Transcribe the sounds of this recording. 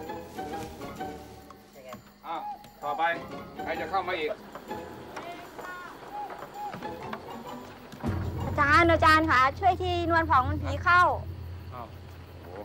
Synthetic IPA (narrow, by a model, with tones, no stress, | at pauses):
ʔa˧˩w | t̪ʰɔː˧˩pa˧jkʰa˧˩jt͡ɕa˧˩kʰa˥˩wmaː˧ʔiː˨˩k̚ | ʔa˧˩t͡ɕaː˧˨nʔa˧˩t͡ɕaː˧nkʰa˦˥t͡ɕʰu˥˩əjt̪ʰiː˧˩nu˧ənpʰɔː˨˦ŋ˧npʰiː˨˦kʰa˧˥˩w